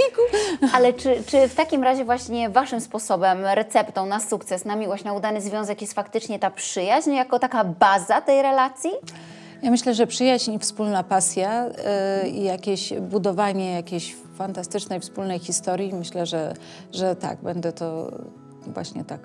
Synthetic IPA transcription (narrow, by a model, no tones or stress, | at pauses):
ikualɛt͡ʂɘt͡ʂɘft̪akʲimɾaʑɛvwaɕɲɛvaʂɘmspɔsɔbɛmɾɛt̪sɛpt̪ɔ̃w̃nasukt̪sɛsnamʲiwɔɕt͡ɕnaud̪anɘzvʲjɔ̃zɛkjɛst̪fakt̪ɘt͡ʂɲɛt̪apʂɘjaʑɲjakɔt̪akabazat̪ɛjɾɛlat̪sʲji | jamɘɕlɛʐɛpʂɘjaʑɲifspulnapasʲja | ijakʲeɕbud̪ɔvaɲɛjakʲeɕ | fant̪ast̪ɘt͡ʂnɛjfspulnɛjxʲist̪ɔɾʲjimɘɕlɛʐɛ | ʐɛt̪a̰ɡbɛnd̪ɛt̪ɔ | vwa̰ɕɲɛ̰t̪ak